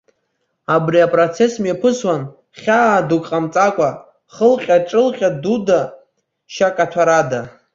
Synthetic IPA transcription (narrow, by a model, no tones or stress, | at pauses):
abriapʼrot͡sʰe̞smepʰɨswan | χʲaːdukʼqʼamt͡sʼakʷʼa | χəlqʲʼaʈ͡ʂʼɨlχʲʼaduda | ʃakʼatʰaɾada